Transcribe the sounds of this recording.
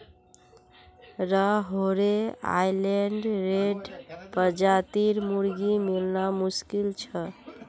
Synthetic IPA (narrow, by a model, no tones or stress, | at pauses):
ɾəɦoɾea̰jleɳɖɾeɖpəd͡ʒat̪iɾmuɾɡimilnamuskilt͡ʃʰə